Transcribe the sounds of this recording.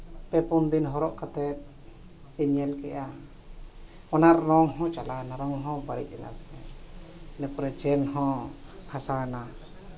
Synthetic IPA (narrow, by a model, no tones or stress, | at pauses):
pɛpund̪inɦɔɾɔʔkat̪ɛt̪̚ | pɛɲɛlkɛʔa | ɔnaɾːɔŋɦɔ̃t͡ʃalanaɾɔŋɦɔ̃baɽḭʔ̚ɛna̰snɛ | nɛpɔɾɛd͡ʒɛnhɔ̃hʰasana